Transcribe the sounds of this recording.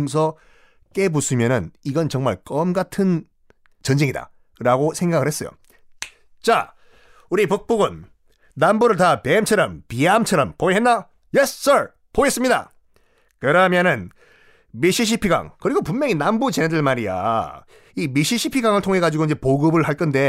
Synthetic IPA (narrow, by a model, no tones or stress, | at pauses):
ŋsʰʌ | k͈e̞busʰɯmjʌnɯniɡʌnt͡ɕʌŋmaɭk͈ʌmɡatʰɯn | t͡ɕʌnd͡ʑeŋida̰ | ɾaɡosʰe̞ŋɡaɡɯɭhe̞s͈ʌ̰jo̰ | t͡ɕa | uɾipuk̚p͈uɡɯnː | ambuɾɯɭtapemt͡ɕʰʌɾʌmpiamt͡ɕʰʌɾʌmpoeɦenːa | jess͈ʌɾ | poɡes͈ɯmɲida̰ | kɯɾʌmjʌnɯn | miɕʰiɕ̬ʰipʰiɡa̰ŋkɯɾiɡopunjʌŋinambut͡ɕenedɯɭmaɾija̰ | imiɕʰiɕʰipʰiɡaŋɯɭtʰoŋɦe̞ɡad͡ʑiɡoind͡ʑe̞poɡɯbɯɭhaɭk͈ʰʌnde̞